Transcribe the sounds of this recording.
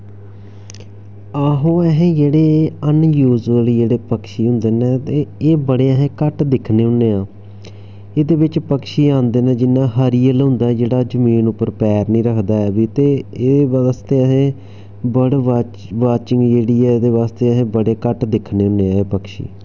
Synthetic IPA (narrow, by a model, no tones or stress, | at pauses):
aːɦõːɛɦẽːd͡ʒeːɽeːənjuːd͡ʒəld͡ʒeːɽeːpəkʃiːɦʊ̃nd̪eːnɛːt̪eːeːbəɽeːəɦẽːkəʈd̪ɪkʰneːɦʊ̃neːãː | ed̪eːbɪt͡ʃpəkʃiːãːnd̪eːnɛ̃ːd͡ʒɪnːãːɦəɾiːəlɦʊ̃nd̪aːɛːd͡ʒeːɽaːd͡ʒəmiːnʊpːəɾpɛːɾnĩːɾəkʰd̪aːɛːbiːt̪eːeːeast̪eːəɦẽː | bəɽa | ʋaːt͡ʃɪŋɡd͡ʒeːɽiːɛːd̪eːʋaːst̪eːəɦẽːbəɽeːkəʈd̪ɪkʰneːɦʊ̃nd̪eːaːeːpəkʃḭː